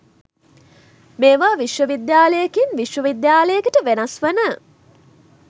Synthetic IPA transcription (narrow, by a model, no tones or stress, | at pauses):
meːʋaːʋiʃʋəʋid̪jaːləjekinʋiʃʋəʋid̪jaːləjekəʈəʋenɐsʋənə